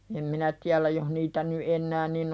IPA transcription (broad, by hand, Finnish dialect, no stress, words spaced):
em minæ tiælæ joh niːtæ ny ʔenːæː nin